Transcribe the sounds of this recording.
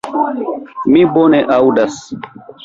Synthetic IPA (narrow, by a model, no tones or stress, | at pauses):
miboneʔawdas